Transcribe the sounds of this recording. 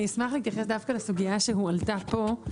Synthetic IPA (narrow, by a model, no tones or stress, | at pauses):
ismaχleit̪jaχes̬d̪afkalesuɡijaʃeɦualtapo̞